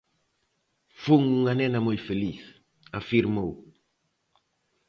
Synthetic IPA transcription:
fuŋuŋanɛnamojfeliθ | afiɾmow

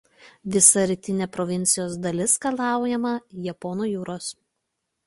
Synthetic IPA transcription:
ʋʲɪsɐɾʲɪt̪ʲɪnʲeːpɾɔʋʲɪnʲt̪sʲɪjoːsd̪ɐlʲɪskɐlˠɑˑʊjɛmɐjɛpɔnuːjuːɾoːs

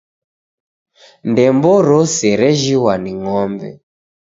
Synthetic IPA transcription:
ndɛmbɔɾɔsɛɾɛʒiwaniŋɔmbɛ̰

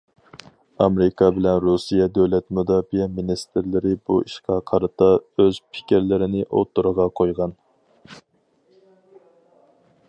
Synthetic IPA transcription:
ɑmɾɪkʰɑbɪlɛnɾusijɛd̪øwlɛt̪mud̪ɑːbijɛminist̪ɪɾlɪɾɪbuiʃqʰɑqʰɑɾɨt̪ɑøz̥pʰɪ̥kʲiɾlɪɾɪnɪʔo̰t̪ʰːuɾəʁɑqʰojʁɑn

